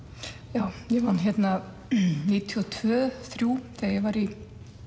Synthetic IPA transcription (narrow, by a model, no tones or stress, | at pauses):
jaːwjɛvançɛt̪na | niːt̪ʰiɔt̪ʰvœːθɾjuːθɛjɛvaɾi